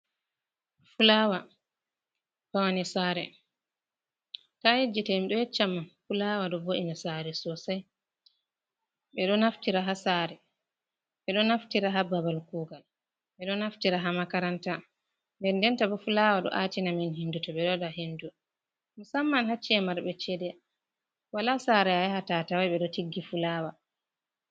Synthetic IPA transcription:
fulawa | pawanisaːɾɛ | kahed͡ʒitamiɗɔjɛt͡ʃːamːafulawaɗɔboʔinasaɾɛsɔsaj | ɓɛɗɔnaftiɾaɦasaɾɛ | ɓɛɗɔnaftiɾaɦababalkuːɡal | ɓɛɗɔnaftiɾaɦamakaɾanta | ndɛndɛntabɔfulawaɗɔ̰ʔatinaminɦindutɔɓɛɗɔdaɦindu | misamːanɦat͡ʃːiɛmaɾbɛt͡ʃɛdɛ | walasaɾɛajahatatawajɓɛɗɔtiɡːifulaːwa

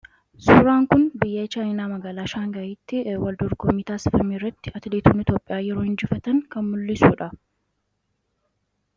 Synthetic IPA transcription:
suːɾaːŋkʊnbɪjːeːt͡ʃaːjnaːmɐɡaːlaːʃaːŋɡɐiːt̪ːɪwɐld̪ɔɾɡɔmːiɪːt̪aːsɪ̥fɐmiːrːɐt̪ːɪɐt̪ɪliːt̪uːnɪt̪joːpʼːɪjaːjɛɾoːhɪnd͡ʒɪfɐt̪ɐŋkɐnmʊlːɪsuːᶑɐ

